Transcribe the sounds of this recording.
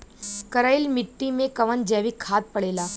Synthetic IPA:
kəɾajilmɪʈːimẽkɐʋənd͡ʒɛːʋikʰːaːt̪̚pəɽeːlaː

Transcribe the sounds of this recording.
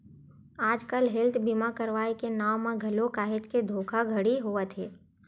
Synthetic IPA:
aːd͡ʒkəlɦɪlt̪ʰbimakəɾʋaːikenaːwmãɡʱɐlokaːɦet͡ʃked̪ʱoːkʰaɡʱəɽiɦoət̪ɦeː

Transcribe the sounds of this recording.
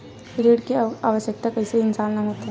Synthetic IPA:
ɾeːɽkeaːʋəʃjək̚t̪akɐɦiseɪnsaːnnamot̪ɦɛ̃

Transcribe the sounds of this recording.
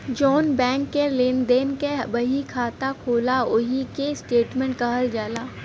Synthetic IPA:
d͡ʒɔːnbɛ̃ːŋkːelend̪eːnkeɦbɐɦikʰaːt̪akʰoːlaʊɦikesʈeːʈmẽɳʈkɐɦəld͡ʒaːlaː

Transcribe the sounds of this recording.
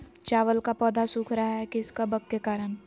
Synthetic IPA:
t͡ʃaːʋəlkapɔːd̪asuːkʰɾaaɦɛkɪskabɐkːekaːɾən

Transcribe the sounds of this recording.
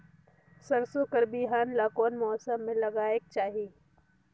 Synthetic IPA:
sɐɾsokəɾbiɦaːnlakɔːnmɔːsəmːẽlɐɡaːek̚t͡ʃaːɦieː

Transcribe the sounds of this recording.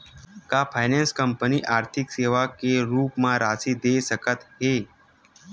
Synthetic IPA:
kapʰajnẽnskəmpəniʔaːɾt̪ʰɪkseːʋakeɾuːpmãɾaːsid̪esəkət̪ɦe

